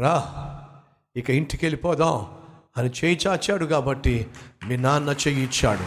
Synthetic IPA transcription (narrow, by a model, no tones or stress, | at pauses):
ɾaː | ikɐiɳʈikelipɔːd̪aːm | ɐnit͡ʃeːjit͡ʃaːt͡ʃaːɽuɡaːbɐʈːiminaːnːɐt͡ʃejit͡ʃːa̰ːɽṵ